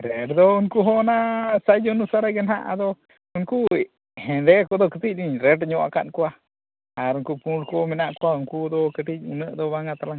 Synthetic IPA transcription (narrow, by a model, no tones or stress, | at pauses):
ɾeɾd̪ouŋkuɦonasajd͡ʒonusaɾaɡenɦa̰ʔa̰d̪o | uŋku | ɦend̪ekod̪okət̪iniɲɾeʈɲoʔa̰ka̰ʔnkʷa | aɾuŋkupunɾkominaʔkʷauŋkud̪okət̪iṵnəʔd̪oβaŋat̪alaŋ